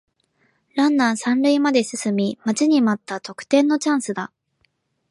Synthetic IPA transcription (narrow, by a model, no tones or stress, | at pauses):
ɾãnːãɰ̃sãnɾɯ̟imad̪e̞sɨsɨmʲimat͡ɕiɲ̟imat̪ːat̪o̞kɯ̟̥t̪ẽ̞nːo̞t͡ɕãɰ̃sɨd̪a